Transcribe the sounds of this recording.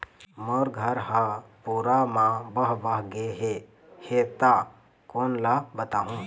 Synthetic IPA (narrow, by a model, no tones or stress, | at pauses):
moɾɡʱəɾɦãpuːɾamãbəɦbaɦɡeɦe | het̪a | koːnlabət̪aːɦũː